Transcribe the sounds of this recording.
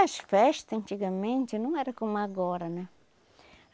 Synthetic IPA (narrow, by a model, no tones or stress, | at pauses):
ɐʃfɛʃt̪ɐɐ̃nt̪iɡɐmẽnt̪ɪnɐ̃w̃ɛɾɐkomaɡɔɾɐnɛ̃